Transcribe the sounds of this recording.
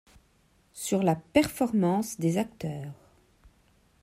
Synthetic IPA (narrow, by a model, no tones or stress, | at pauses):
syʁlapɛʁfɔʁmɑ̃sd̪ezak̚t̪œːʁ